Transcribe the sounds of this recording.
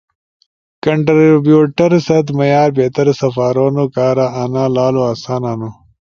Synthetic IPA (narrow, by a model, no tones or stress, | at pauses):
kɐɳʈɾbjuːʈɐɾsɐt̪mɐjaːɾbeːt̪ɐɾsɐfaːɾoːnokaːɾaʔːnaːlaːloɐsaːnaːnu